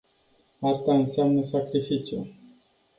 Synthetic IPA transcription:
art̪aɨnseamnəsakɾifit͡ʃjṵ

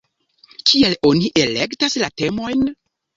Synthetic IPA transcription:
kielo̞niʔe̞le̞ktaslate̞mo̞jn

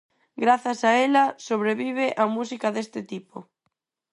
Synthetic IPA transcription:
ɡɾaθasaelasoβɾeβiβ̞eʔamusikaðest̪ɪt̪ipo

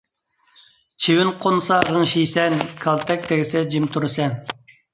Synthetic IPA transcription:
t͡ʃʰiwɪnqʰonsɑʁəŋʃisɛnkʰɑlˠt̪ʰɛk̚ʲt̪ʰeɡʲɪsɛd͡ʒimt̪ʰuɾɨsɛn

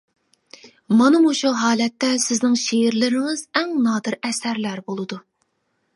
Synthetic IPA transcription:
mɑnɨmuʃuɦɑːlɛt̪ːɛsɪznɪŋʃejɪɾlɪɾɪŋɪzɛŋnɑːd̪ɨɾɛsæɾlæɾbolˠɨd̪u

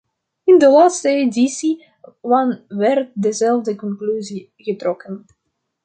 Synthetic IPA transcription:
ɪndəlaːtstəedisi | ʋɑnʋɛrt̚dəzɛlˠvdəkɔŋklyzi | ɣətrɔkən

